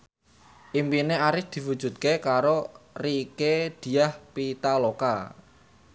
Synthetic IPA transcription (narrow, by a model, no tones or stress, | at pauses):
ʔimpineaɾɪsd̪̥i̤wud̥ʒ̥ṳt̪̚kekaɾoriked̪̥i̤ahpit̪aloka̰